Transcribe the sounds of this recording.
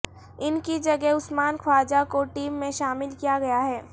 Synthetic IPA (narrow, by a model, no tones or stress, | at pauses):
ɪnkid͡ʒɐɡɛɦʊsmaːnkʰwaːd͡ʒakoʈiːmːẽʃaːmɪlkijaɡɐjaɦɛː